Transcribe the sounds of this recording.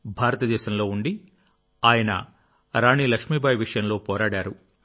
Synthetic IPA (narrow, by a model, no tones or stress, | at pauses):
bʱaːɾɐt̪ɐd̪ɛːʃɐmlo̞ːuɳɖi | aːjɐnɐ̰ | ɾaːɳiːlɐkʂmiːbʱaːjʋiʂɐjɐmlo̞ːpɔːɾaːɽaːɾu